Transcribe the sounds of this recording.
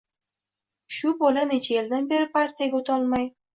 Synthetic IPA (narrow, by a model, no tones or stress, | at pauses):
ʃupolʲenit͡ɕeeld̪ənbeɾpɑrtʲijɡut̪ɑlˠmɑj